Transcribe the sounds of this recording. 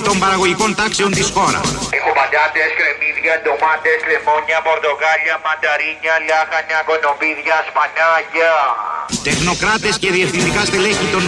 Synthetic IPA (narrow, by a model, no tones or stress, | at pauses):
t̪o̞mbɐɾɐɣo̞ʝiko̞nt̪ɐkseo̞nt̪isxo̞ɾɐ̰sexobɐd̪ɐt̪eskɾemiðʝɐt̪omat̪eslemoɲɐpo̞ɾt̪oɣaʎɐmɐnd̪ɐɾiɲɐlɐxɐɲɐko̞nopiðʝɐspanaʝɐ | t̪e̞xno̞kɾɐt̪e̞sce̞ðiefθind̪ikɐsðelecit̪o̞n